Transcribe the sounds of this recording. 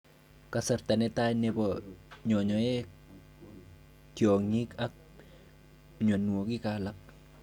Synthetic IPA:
kasaɾtanɛtajnɛbɔɲɔɲɔɛ | tjoŋikak̚ | ɲwanːuokikalak̚

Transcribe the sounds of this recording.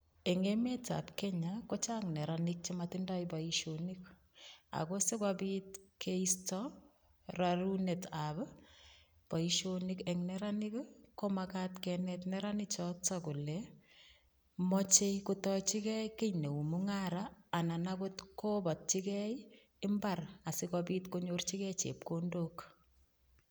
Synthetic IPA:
eŋemeta̰pkɛɲakot͡ʃaŋnɛɾanɪk̚t͡ʃematindajbaiʃonik | a̰kosekwabiːtkʰeistɔ | raɾunetab | paiʃonikeŋnɛɾanikkomakatkɛnɛtnɛɾanit͡ʃɔtakulɛ | mɔt͡ʃejkotɔt͡ʃikɛjkeɲneumuŋaɾaːnanabotkobɔt̚t͡ʃikɛj | ɪmbarasɪkɔpiːtkoɲort͡ʃikɛt͡ʃḛp̚kondoːk

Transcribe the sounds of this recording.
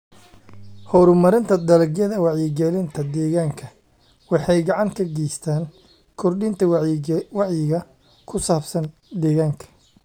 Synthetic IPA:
hɔɾʊmɐɾɪnt̪ʰɐd̪ɐlɐɡjɐðɐwɑʕjɪɡɛlɪnt̪ʰɐd̪ɛːɣaːŋkʰɐ | wɑħɑjɡɑʕɑŋkʰɐɡɛjst̪ʰaːn | kʰɔrɖɪnt̪ʰɐwɑʕjɪɣɐ | kʰʊsaːbsɐn | d̪ɛːɣaːŋkʰɐ̥

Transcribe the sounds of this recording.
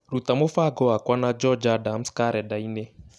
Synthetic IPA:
ɾutamofaɡɔakwanad͡ʒɔd͡ʒadam̩skaɾɛdaine

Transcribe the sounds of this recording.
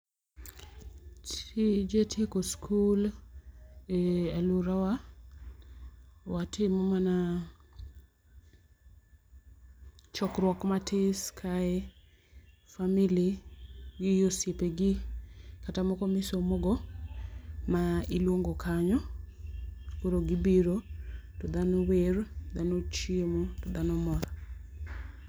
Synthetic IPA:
t͡ʃid͡ʒetʰjekoskʰul | eɛluɾawa | watʰɪmɔmana | t͡ʃɔkɾwɔkmatʰɪskʰae | familiɡɪjosjepeɡɪkatamɔkɔmɪsomoɡɔ | mailwoŋɡokʰaɲɔ | koɾoɡɪbiɾotɔd̪anowerd̪anot͡ʃemotɔd̪anɔmɔɾa

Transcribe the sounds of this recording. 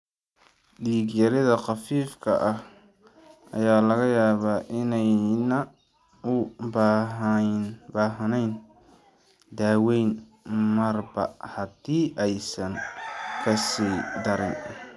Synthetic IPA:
ɗiːɡjɐɾɪðɐqɑfiːfkʰɐ̰ʔɐh | ɐ̰jaːlɐɣɐjaːβaːʔɪnɛjnɐ | ʊb | baːɦɐnɛjn | d̪aːwɛjn | mɐrbɐhɐd̪iːʔɛjsɐnfɐsiːd̪ɐɾɪn

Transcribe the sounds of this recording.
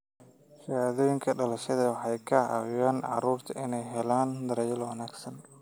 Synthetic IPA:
ʃaðɔːjɪŋkʰɐɖɐlɐʃɐðɐwɑħɑjkʰɐʕɑ̰wʊjaːnʕɑ̰ɾuːrt̪ʰɐɪnɛjɦɛlaːnd̪ɐɾɛjɐlwɐnaːɡsɐn

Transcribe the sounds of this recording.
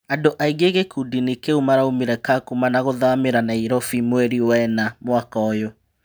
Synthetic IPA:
andoʔaiɡeɣekudinikeumaɾaumiɾɛkakumanaɣoðameɾanaiɾɔfimweɾiwɛnamwakɔjo

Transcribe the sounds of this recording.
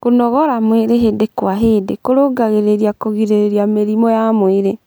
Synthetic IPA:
konɔɣɔɾamweɾeɦedekwaɦedekoɾoɡaɣeɾeɾiakɔɣiɾeɾeɾiameɾimɔjamweɾe

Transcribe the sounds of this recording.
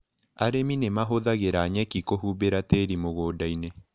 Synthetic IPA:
aɾeminemaɦoðaɣeɾaɲɛkikoɦuːbeɾateɾimoɣoːdaine

